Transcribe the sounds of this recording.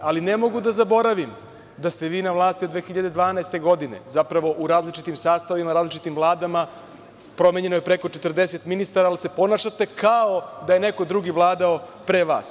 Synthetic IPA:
alinemo̞ɡud̪azabo̞ɾaʋim | d̪ast̪e̞ʋiːnaʋlˠaːst̪iod̪ʋeːxiʎad̪e̞d̪ʋaːnaest̪e̞ɡo̞d̪ine̞̰zapɾaʋo̞ʔuɾaːzlit͡ʃit̪imsaːst̪aʋimaɾaːzlit͡ʃit̪imvlˠaːd̪ama | pɾo̞meɲe̞nojepɾe̞ko̞t͡ʃet̪r̩d̪eset̪minist̪aɾaːlise̞po̞naʃat̪e̞kao̞d̪ajene̞ko̞d̪ɾuːɡiʋlˠaːd̪ao̞pɾeʋa̰ːs

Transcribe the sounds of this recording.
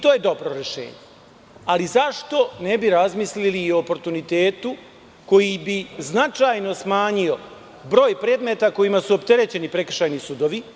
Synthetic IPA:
it̪oje̞d̪o̞bɾo̞ɾe̞ʃe̞̰ːɲe | alizaʃt̪o̞ne̞biɾazmisliliːoːpo̞ɾt̪unit̪e̞ːt̪u | ko̞jibiznat͡ʃajno̞smaːɲio̞ | bɾo̞ːjpɾe̞ːd̪me̞t̪ako̞jimasuopt̪e̞ɾe̞t͡ɕe̞nipɾe̞kr̩ʃajnisud̪o̞ʋi

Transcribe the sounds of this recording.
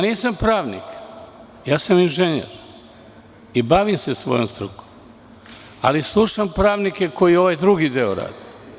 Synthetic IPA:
aniːsampɾaːʋnḭk | jaːsaminʒeɲḛɾ | ibaʋimsesʋo̞̰jomst̪ɾṵko̥m | a̰lislˠuʃampɾaːʋnike̞ko̞jio̞ʋajd̪ɾuɡid̪eoɾa̰ːd̪i

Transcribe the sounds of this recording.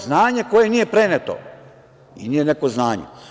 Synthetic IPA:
znaːɲe̞ko̞je̞nije̞pɾenet̪o̰ | ḭnije̞nekoznaːɲḛ

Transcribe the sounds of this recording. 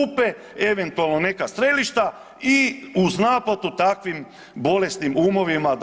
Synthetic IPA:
upe̞ | eʋent̪ualˠnone̞kast̪ɾe̞liʃt̪a | iuznaːpat̪ut̪akʋim | bo̞le̞st̪nimumo̞ʋimad̪

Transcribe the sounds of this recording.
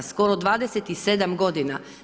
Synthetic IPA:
sko̞ɾod̪ʋaːd̪eset̪ised̪amɡo̞d̪ina

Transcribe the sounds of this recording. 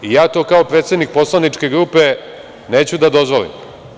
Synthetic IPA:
ijaːt̪o̞ːkao̞pɾet̪sed̪nik̚po̞slˠanit͡ʂke̞ɡɾuːpe̞ | ne̞ːt͡ɕud̪ad̪o̞zʋo̞lḭm

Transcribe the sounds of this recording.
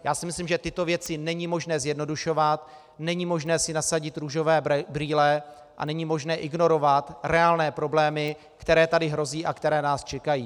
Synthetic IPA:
jaːsɪmɪslimʒɛt̪ɪt̪o̞vjɛt͡sɪnɛɲimo̞ʒnɛːzjɛdno̞duʃo̞vat̪ | nɛɲimo̞ʒnɛːsɪnasaɟɪt̪ɾuːʒo̞vɛːbɾiːlɛ | ʔa̰nɛɲimo̞ʒnɛːʔɪɡno̞ɾo̞vat̪ɾɛaːlnɛːpɾo̞blɛːmɪ | kt̪ɛɾɛːt̪adɪɦɾo̞ziːʔakt̪ɛɾɛːnaːst͡ʃɛkajiː

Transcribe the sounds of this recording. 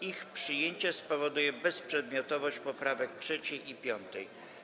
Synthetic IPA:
ixpʂɘjeɲt͡ɕɛspɔvɔd̪ujɛbɛspʂɛd̪̚mʲjɔt̪ɔvɔɕt͡ɕpɔpɾavɛk̚tʂɛt͡ɕɛjʔipʲjɔnt̪ɛj

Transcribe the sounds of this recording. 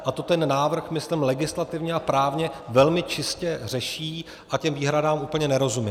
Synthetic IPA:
ʔat̪ot̪ɛnːaːvr̩xmɪslɪmlɛɡɪslat̪ɪvɲɛapɾaːvɲɛvɛlmɪt͡ʃɪscɛr̝ɛʃiː | ʔacɛmviːɦɾadaːmʔuːpl̩ɲɛnɛɾo̞zumɪ

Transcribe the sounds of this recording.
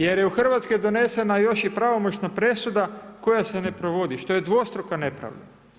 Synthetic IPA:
je̞ɾjeuxr̩ʋat̪skojd̪o̞ne̞se̞najo̞ʃipɾaʋo̞mo̞t͡ɕnapɾe̞sud̪ako̞jase̞nepɾo̞ʋo̞d̪iʃt̪o̞jed̪ʋo̞st̪ɾokane̞pɾa̰ʋd̪a

